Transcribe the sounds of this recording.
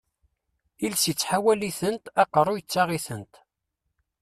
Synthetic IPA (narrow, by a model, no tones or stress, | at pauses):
ilsət͡sːħawæliθənt̪ɑqərˤːʊjət͡sːaʁiθənt̪